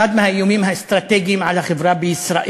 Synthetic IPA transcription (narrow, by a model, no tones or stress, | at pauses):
ad̪mahajoːmiːmhast̪ɾˤɑt̪eːɡɪmʕalaxɪbɾˤɑːbɪɪsɾˤɑ̰ːʔ